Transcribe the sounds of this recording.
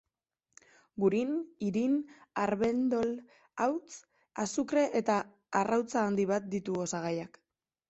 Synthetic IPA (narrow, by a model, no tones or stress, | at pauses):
ɡuɾiniɾinaɾβe̞nd̪o̞l | awt͡s | asukɾe̞ʔet̪aː | rawt͡saːnd̪iβat̪̚d̪it̪uosaɣajak